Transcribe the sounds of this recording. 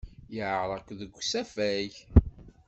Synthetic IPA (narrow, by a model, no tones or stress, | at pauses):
jəʕɾˤəkʷðəɡʷːsæfæj